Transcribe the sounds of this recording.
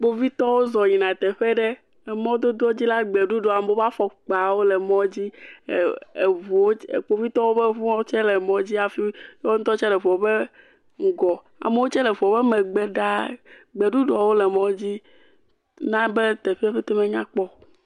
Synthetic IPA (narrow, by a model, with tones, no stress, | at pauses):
k͡po˦vi˦t̪ɔ˦wo˦zɔ˨ɲĩ˨nã˨t̪ɛ˨ɸe˦ɖe˦ | ɛ˨mɔ̃˦d̪o˦d̪o˦ɔ˦d͡ʑi˦la˦ɡ͡be˨ɖu˦ɖɔ˨a˨m˦o˦va˦fɔ˨k͡pa˨wo˦le˨mɔ̃˦d͡ʑi˦˨ | e˨vu˨wo˦˨k͡po˦vi˦t̪ɔ˦wo˦be˦ɸũ˦t͡ʃɛ˦le˨mɔ̃˨˦d͡ʑi˦a˨fi˦jo˦ñ̩˦t̪ɔ˦t͡ʃɛ˦lɛ˨vɔ˨be˦ | ŋ̩˨ɡɔ˨ | a̰˨me˨˦wo˦t͡ʃɛ˦lɛ˨ɸɔ˨be˦mɛ˨ɡ͡be˨ɖa˦ɡ͡be˨ɖu˦ɖɔ˨˦wo˦le˨mɔ̃˦d͡ʑi˦ | nã˦be˦t̪e˨ɸe˦ɸe˦t̪ɛ˦mẽ˨ɲã˦k͡pɔ˦